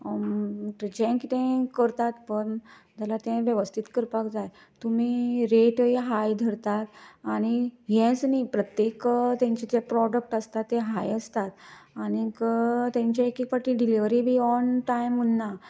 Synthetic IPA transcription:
ʈɾid͡ʑɛ̃kit̪ẽkəɾt̪at̪pəɳd͡zalat̪ɛ̃ʋjəʋəst̪ʰit̪kəɾpakd͡zaj | t̪um̤iɾeʈjɦajd̪ʱəɾt̪at̪aɽ̃ijɛ̃snipɾət̪jekt̪jɛ̃ɲt͡ɕid͡ʑepɾɔɖək̚ʈəst̪at̪ːeɦajəst̪at̪anikət̪ãɲt͡ɕaekikpaʈiɖiliʋɾibʱiːɔnʈajmunːa

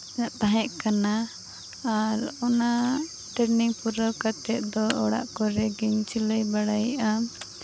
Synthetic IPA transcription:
aʔt̪aɦɛʔkanaː | ɾɔna | ʈəɾniŋpuɾəkat̪ɛt̪̚ˀd̪ɔɔɽa̰ʔkɔɾɛɡɛɲt͡ʃiləjbaɽajʔa

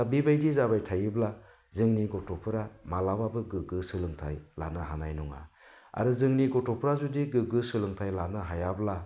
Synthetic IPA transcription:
abibajdizabajtʰajibla | zɯŋniɡɔtɔpʰɯɾamalababɯɡɯɡɯsɯlɯŋtʰajla̰nɯɦanajnuŋa̰ | a̰ɾɯzɯŋniɡɔtɔpʰɾazudiɡɯɡɯsɯlɯŋtʰajlanɯɦajabla

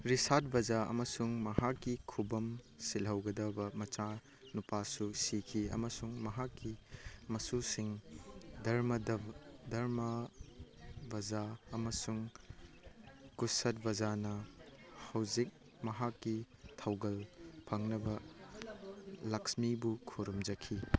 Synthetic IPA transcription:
ɾisat̚bɐzaɐ̰mɐsuŋmɐɦakːikʰubɐm | silɦɐwɡɐdɐbɐmɐt͡ʃa | nupasusikʰiɐ̰mɐsuŋmɐɦakːimɐsusiŋdɐɾmɐdɐdɐɾmɐ | bɐd͡ʒaɐmɐsuŋ | kusɐt̬̚bɐd͡ʒanɐ | hɐwzik̚ | mɐɦakːitʰɐwɡɐlpʰɐŋnɐbɐ | lɐksmibukʰuɾumd͡ʒɐkʰi

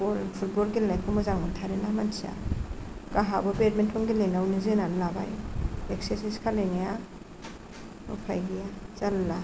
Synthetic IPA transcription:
bolpʰut̚bolɡilajkʰɔmɔzaŋmɯntʰaɾenamansia̰ | kaɦabɔbet̚mentʰɔŋɡilejnawnizɯnanlaba̰jek̚sesiskʰalejŋaja | mṵpʰa̰jɡijazalːa

